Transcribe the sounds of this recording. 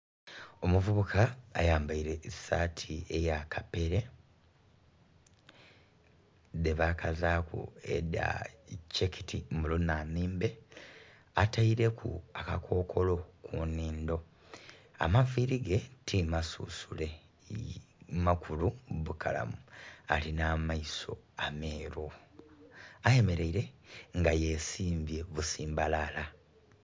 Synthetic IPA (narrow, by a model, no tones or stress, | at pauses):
o̞muvuβukʰaːjaːmbaiɾe̞satʰie̞jakʰape̞ɾe̞ | ðe̞βakazaːkṵḛda̰ceki̥tʰimulunamiːmbe̞ | ataiɾe̞kʰṵakakʰo̞ːkʰo̞lo̞kʰuniːndo̞ | a̰maviɾiɡe̞tʰimasṵsule̞ | makʰuluβukʰala̰mualinamaiso̞̰ | ame̞ːɾo | aje̞me̞ɾe̞iɾe̞ŋɡaje̞siːmbje̞βusiːmbalala